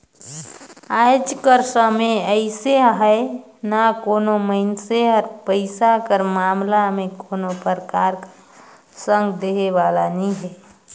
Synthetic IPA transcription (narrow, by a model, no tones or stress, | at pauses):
ajd͡ʒkəɾsəmeəɪseɦəɪ | nakoːnoməɪnseɔɾpəɪsakəɾmaːmlamẽkoːnopəɾəkaːɾ | sə̃ŋɡd̪eɦeʋalaniɦɛ